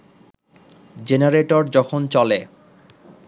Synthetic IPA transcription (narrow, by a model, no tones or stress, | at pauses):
d͡ʑenaɾeʈoɾd͡ʑɔkʰont͡ɕɔle